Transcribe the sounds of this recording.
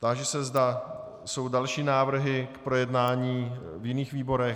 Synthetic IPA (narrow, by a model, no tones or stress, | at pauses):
t̪aʒɛsɛzda | so̞wdalʃiːnaːvr̩ɦɪkpɾo̞jɛdnaːɲiːvjɪniːxviːbo̞ɾɛx